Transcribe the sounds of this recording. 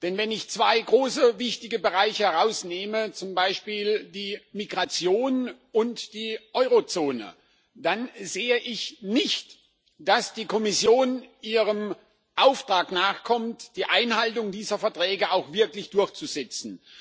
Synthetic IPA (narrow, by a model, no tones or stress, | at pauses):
d̥ɛnvɛnɪçt͡sv̥aɪɡʁoːsəvɪçtɪɡəbəʁaɪçəhɛʁaʊsneːmət͡sʊmbaɪʃpiːldiːmiɡʁat͡sjoːnʔʊntd̥iːʔɔʏʁot͡soːnə̰ | d̥anzeːəʔɪçnɪçt | d̥asd̥iːkʰɔmɪsjoːnʔiːʁəm | ʔaʊftʁ̥aːknaːχkʰɔmtd̥iːʔaɪnhaltʊŋdiːzɐfɛɐtʁ̥ɛːɡəʔaʊxv̥ɪɐklɪçd̥ʊɐçt͡suzɛt͡sn̩